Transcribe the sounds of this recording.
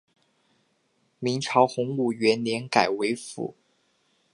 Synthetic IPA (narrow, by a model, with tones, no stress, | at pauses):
mi˧˥ŋʈ͡ʂʰɑ˧˥ʊxʊ˧˥ŋu˨˩ɥɛ˧˥nljɛ˧˥nka˨˩ɪwe˧˥ɪfṵ˨˩˦